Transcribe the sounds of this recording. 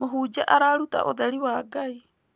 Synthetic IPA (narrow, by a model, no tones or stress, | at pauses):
moɦud͡ʒaʔaɾaɾuta̰ʔodaɾiwaːɡaj